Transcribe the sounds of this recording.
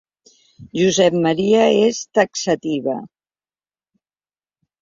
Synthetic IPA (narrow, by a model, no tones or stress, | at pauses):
ʒuzɛpmaɾiaest̪aksat̪iβə̰